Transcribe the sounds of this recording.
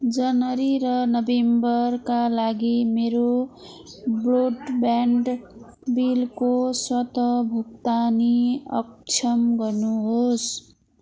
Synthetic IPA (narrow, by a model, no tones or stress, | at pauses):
d͡zʌnʌɾiɾʌnʌbembʌɾkalaɡimeɾo | broɖbaɳɖ | bilkoswʌt̪ʌbʱukt̪aniʌ̰k̚t͡ʃʰʌmɡʌrnuɦos